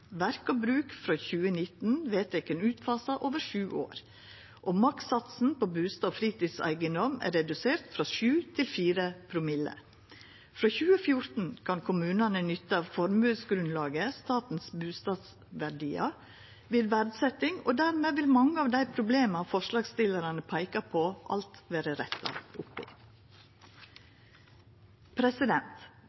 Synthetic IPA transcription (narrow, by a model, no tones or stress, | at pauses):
ʋæɾkɔbɾʉːkfɾoːçʉːənɪt̪n̩ʋeːt̪ɛkənʉːt̪fɑːsɑʔoːʋəʂʉːʔo̰ːɾ | ʔoːmɑk̪sɑt̪sn̩pobʉːst̪ɑfɾiːt̪iːsæ̰ɪɡənd̪ɔmæ̰ɾɛd̪ʉseːɾt̪fɾɑʃʉːt̪ʰɪlfiːɾəpʰɾʊmɪlə̰ | fɾoːçʉːəfjʊɾt̪n̩kʰɑnkʰʊmʉːnɑnənʏt̪ːfɔɾmʉːsɡɾʉnlɑːɡəst̪ɑːt̪n̩sbʉːst̪ɑːd̪s | ʋæɖiːɑ | ʋɪːd̪ʋæɾd̪sɛt̪ɪŋo̰ːd̪æɾmeːʋɪlmɑŋːəɑːʋd̪æɪpʰɾʊbleːmɑfɔʂlɑːɡst̪ɪləɾɑnəpʰæɪkɑpʰoːʔɑ̰lt̪ʋeːɾəɾɛt̪ʰːɑ̰ʊpɪ̰ | pʰɾɛsɪd̪ɛnt̪